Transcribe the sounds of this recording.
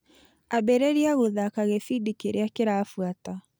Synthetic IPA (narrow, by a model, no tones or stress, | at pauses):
abɛɾeɾiaɣoðakaɣefidikeɾeakeɾafwata